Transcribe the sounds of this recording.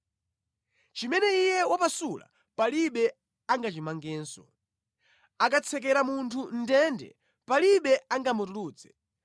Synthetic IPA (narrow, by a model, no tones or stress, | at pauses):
t͡ʃimɛnɛijɛwapasula̰ | paliɓɛ | aŋɡat͡ʃimaŋɡɛːnsɔ̰ | akat͡sʰɛk̬ɛɾamuntʰun̩dɛndɛ̰ | paliɓɛaŋɡamutuluːt͡sɛ̥